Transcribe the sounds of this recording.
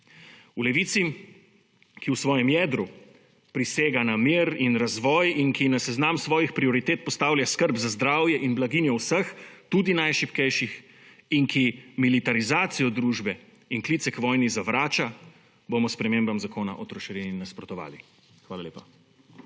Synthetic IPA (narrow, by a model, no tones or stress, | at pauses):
ulɛʋiːt̪si | kiwsʋɔːjɛmjɛːd̪ɾu | pɾiseːɡanamiːɾinɾazʋɔːjiŋkinasɛznamsʋɔːjixpɾiɔɾit̪eːt̪̚pɔst̪aːwlʲjaskəɾbzazd̪ɾaːwjɛʔinblaɡiːnjɔwsəxt̪ud̪inajʃipkɛjʃix | iŋkimilit̪aɾizaːt̪sijɔd̪ɾuːʒbɛ | inkliːt̪sɛkʋɔːjnizaʋɾaːt͡ʃa | bomɔspɾɛmeːmbamzakoːna̰ʔɔt̪ɾɔʃɛɾinnːaspɾɔt̪ɔʋa̰ːli | xʋaːlalḛːpa